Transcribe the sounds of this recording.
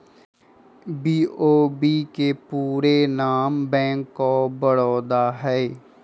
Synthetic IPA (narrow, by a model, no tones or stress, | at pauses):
biːoːbiːkepuːɾenaːmbɛ̃ːŋkːobəɽɔːd̪aːɦɛ